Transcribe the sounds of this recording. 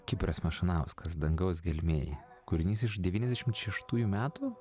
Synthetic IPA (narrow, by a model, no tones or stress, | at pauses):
kʲɪpʲɾʲosmɐʃɪnɐˑʊskɐsd̪ɐŋɡɐʊsɡʲɛlʲmʲeːj̰ | kʊɾʲɪnʲiːsɪʃd̪ʲɛʋʲiːnʲɛzd̪ʲæɛʃʲɪmt̪ʃʲɛʃt̪uːjuːmʲæːt̪u